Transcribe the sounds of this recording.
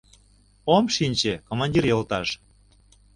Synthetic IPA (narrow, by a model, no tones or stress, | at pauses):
omʃinʲt͡ɕekomɑnʲdʲirjɤlt̪ɑʃ